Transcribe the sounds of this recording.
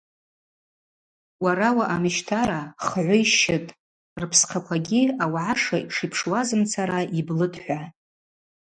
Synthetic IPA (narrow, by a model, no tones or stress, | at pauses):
waɾawaʔamɨʃtʰaɾaχʕʷʊjʃɪtʼ | rpʰsqʰakʷʰaɡʲiawʕaʂaiʂipʰʂwazɨmt͡sʰaɾaʔiblɨdʰʼħʷᶣa